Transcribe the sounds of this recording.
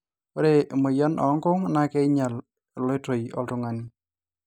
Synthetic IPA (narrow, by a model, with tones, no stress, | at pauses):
o˦ɾe˦˨mo˨jɔ˦nʔɔ̰˨˦ŋkʊ˦ŋna˦kɛ˦ɲa˨l | lɔ˦to˨jɔ̰˨ltʊ˨ŋa˨ni˦